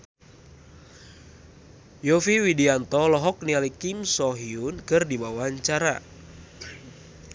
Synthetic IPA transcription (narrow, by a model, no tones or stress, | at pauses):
jɔfiwidiant̪ɔlɔɦɔk̚nialikimsɔɦiʊnkɨrdibawaɲt͡ʃaɾa̰